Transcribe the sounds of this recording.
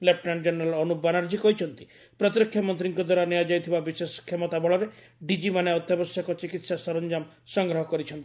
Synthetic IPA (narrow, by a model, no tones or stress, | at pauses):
lep̚nand͡ʒenɾalɔnubanaɾd͡ʒikɔɦit͡ʃʰɔnt̪i̥ | pɾɔt̪ɾɔkʰːjɔmɔnt̪ɾiŋkɔd̪waɾaniad͡ʒajt̪ʰibabisesɔ̥kʰemɔt̪abɔɭɔɾe | ɖid͡ʒimaneɔt̪jabɔsjakɔt͡ʃikit̪sasɔɾɔnd͡ʒam | sɔŋɡɾɔɦɔkɔɾit͡ʃʰɔnt̪i̥